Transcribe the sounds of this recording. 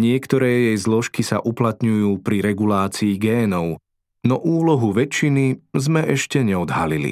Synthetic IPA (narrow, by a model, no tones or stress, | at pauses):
ɲɪɛkt̪ɔɾɛːjɛjzlɔʃkisa̰ʔuplat̪ɲujuːpɾiɾɛɡulaːt͡siːɡɛːnɔʊ | nɔʔuːlɔɦuʋɛt͡ʃinizmɛʔɛʃcɛɲɛɔd̪ɦalilḭ